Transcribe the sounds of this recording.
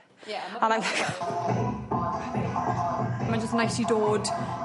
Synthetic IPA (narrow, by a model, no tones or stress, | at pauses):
ə̃naɪ̃mvak | mãnd͡ʒəstnajsidoːd